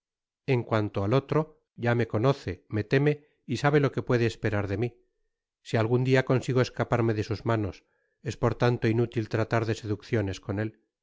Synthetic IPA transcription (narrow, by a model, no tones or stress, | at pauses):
e̞ŋkwant̪oalo̞t̪ɾo̞ | ʝame̞ko̞no̞θe̞me̞t̪e̞me̞ | isaβe̞lo̞ke̞pwe̞ðeːspe̞ɾaɾðe̞mi | sialɣ̞und̪iako̞nsiɣ̞oe̞skapaɾmeðe̞suzmano̞s | e̞spo̞ɾt̪ant̪o̞inut̪ilt̪ɾat̪aɾðe̞se̞ðukθjo̞ne̞sko̞ne̞l